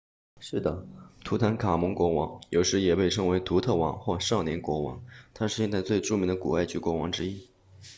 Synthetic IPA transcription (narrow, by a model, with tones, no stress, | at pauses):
ʂɻ̩˥˩d̪ə˩t̪ʰu˧˥t̪ʰa˧˥nkʰa˨˩mə˧˥ŋkwɔ˧˥wɑ˧˥ŋjo˧˥ʊʂɻ̩˧˥jɛ˨˩pe˥˩ɪʈ͡ʂʰɤ˧˥ŋwe˧˥ɪt̪ʰu˧˥t̪ʰɤ˥˩wɑ̰˧˥˦ŋxwɔ˥˧ʂɑ˥˩ŋnjɛ˧˥nkwɔ˧˥wɑ̰˧˥ŋt̪ʰa˥ʂɻ̩˥˧ɕjɛ˥˧nt͡sɪt͡swe˥˧ɪʈ͡ʂu˥˩mi˧˥ŋd̪ə˧kṵ˨˩a˥˩ɪt͡ɕy˧˥kwɔ˧˥wɑ˧˥ŋʈ͡ʂɻ̩˥i˥